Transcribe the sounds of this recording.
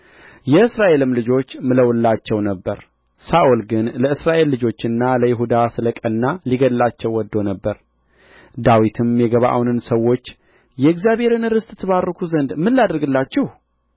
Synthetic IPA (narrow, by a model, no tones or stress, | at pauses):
jɛɨsɾaʔe̞lɨmlɨd͡ʒo̞t͡ʃːmɨləwɨlːat͡ʃːɛwnəbːəɾ | saʔulɡɨnləɨsɾaʔe̞lːɨd͡ʒo̞t͡ʃːɨnːaləjɪɦud̪asɨləkʼənːaliɡəllat͡ʃːɛwːɔd̪ːo̞nəbːəɾ | d̪awit̪ʰɨmjɛɡəβaʔa̰wnɨnsəwːo̞t͡ʃː | jɛɡzjaβhe̞ɾɨnɨɾɨst̪ʼɨt̪ʰːɨβarːəkʰuzənd̪mːɨlːad̪əɾɡɨlːat͡ʃːɛh